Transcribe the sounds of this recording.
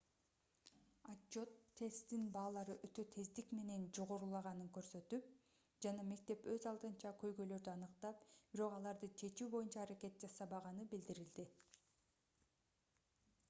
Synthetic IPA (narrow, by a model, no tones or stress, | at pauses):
ad͡ʒot̪ʰːe̞st̪inbɑːlˠɑɾɯʔøt̪ø̞t̪ʰe̞zd̪ikme̞ne̞nd͡ʒo̞ʁoɾulˠɑʁɑnɯŋkø̞ɾsø̞t̪yp̚ | d͡ʒɑnɑme̞k̚t̪e̞pø̞zɑlˠd̪ɯnt͡ʃɑkø̞jɡø̞jlø̞ɾd̪yɑnɯqt̪ɑp̚b̥iɾo̞qɑlˠɑɾd̪ɯt͡ʃʰe̞t͡ʃyːbo̞junt͡ʃɑːɾake̞t̪̚d͡ʒɑsɑβɑʁɑnɯbild̪iɾild̪i